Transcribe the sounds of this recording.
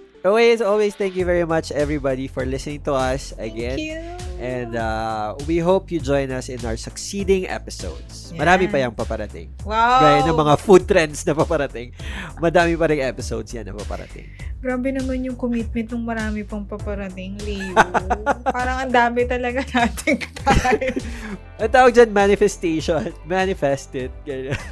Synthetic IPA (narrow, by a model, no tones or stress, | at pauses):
ʔokesolwest̪ɛ̃ŋkjuvɛɹimɐt͡ʃʔɛvɹibad̪ifɔɹlɪsɛnɪ̃ŋt̪ʊɐsɐɡɛ̃nʔɛ̃nd̪awiɦowpjud͡ʒojnɐsɪ̃nʔawəsʊksiːd̪ɪ̃ŋʔɛ̰pɪso̰wd̪s | mɐɾaːmɪpɐjɐŋpɐpɐɾɐt̪ɪ̰ŋwaɡajonɐŋmɐŋafud̪̚t̪ɾɛnsnɐpapɐɾɐt̪ɪŋmɐd̪aːmɪpɐɾɪŋɛpɪsowd̪sjɐ̰nːɐpapɐ̰ɾɐ̰t̪ɪ̰ŋɡɾaːbɛnɐmanjʊŋkomit̪̚mɛnt̪nʊŋmɐɾaːmɪpɐŋpɐpɐɾɐt̪ɪŋli | ppaːɾɐŋɐnd̪aːmɛt̪ɐlɐɡanaːt̪ʰɪŋt̪aj | ʔɐŋt̪aːwɐɡ̚d͡ʒanmanɪfɛst̪eʃonmanɪfɛst̪ɪt̪̚ɡɐjon